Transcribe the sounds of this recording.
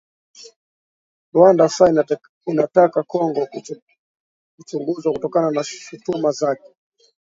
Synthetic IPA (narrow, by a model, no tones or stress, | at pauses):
ɾwandasa | inatakakɔŋɡɔ | kut͡ʃuŋɡuzwakutɔkananaʃutumazakɛ̥